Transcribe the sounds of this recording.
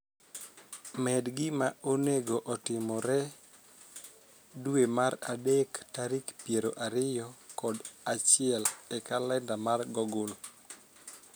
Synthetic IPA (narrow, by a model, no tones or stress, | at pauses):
mɛdɡɪmaoneɡoʔɔtɪmɔɾɛ | dwemaɾa̰dektaɾikpjeɾoʔaɾɪjɔkɔdat͡ʃɪɛlɛkalɛndamarɡɔɡʊl